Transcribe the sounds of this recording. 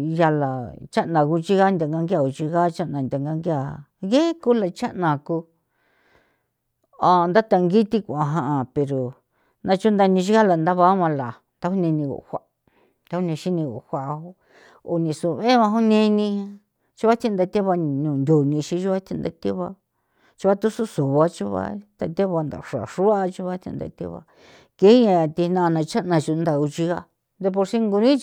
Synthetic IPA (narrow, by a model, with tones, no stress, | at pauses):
ja˧la˨t͡ʃa˦nã˨ku˧t͡ʃi˦ɣa˦nd̪ʲa˧˨ŋɡa˧ŋɡa˧˨u˧˨t͡ʃi˧ɣa˦t͡ʃa˦ʔnã˨nd̪ʲa˨ŋɡa˧ŋɡi˦a˨ɣe˦ku˦la˨t͡ʃa˦ʔnã˨ku˧ | a˧nd̪a˦t̪a˧ŋɡi˦t̪i˦˧kʷã˧ɦã˧ʔa˨pe˨ɾo˨ | nã˧t͡ʃu˦nd̪a˧nĩ˧t͡ʃ̬i˦ɣa˦la˨nd̪a˦βa˦mã˧la˨ | nt̪a˦hu˦nẽ˧nĩ˧ɣo̰˨hʷa˧˨ | t̪a˦hu˦nĩ˧ʃi˦nĩ˧ɣo̰˨hʷa˨ʔo˦ | o˨nĩ˧˨su˨βe˦βã˧ɦu˦nẽ˧nĩ˧ | t͡ʃu˦βa˦t̪ʰĩ˧nd̪a˧t̪e˦βa˧nũ˨nd̪ʲo˨nĩ˧ʃĩ˧˦ʒu˦βa˦t̪ʰĩ˧nd̪a˧t̪e˦βa˧ | t͡ʃu˧βa˦t̪u˦su˦su˨βa˧t͡ʃu˦βa̰˧t̪a˧t̪e˦βa˧nd̪a̰˨ʂa̰˨ʂu˦a˦˧t͡ʃu˦βa˦t̪ʰḭ̃˧nd̪a̰˧t̪ḛ˦βa̰˧ | ke˦ɲã˧t̪i˧nã˧nã˧t͡ʃa˦ʔnã˧t͡ʃu˧nd̪a˧u˧t͡ʃi˧ɣa˧ | nd̪e˧p̬o˧ɾsi˦ŋɡu˧nĩ˦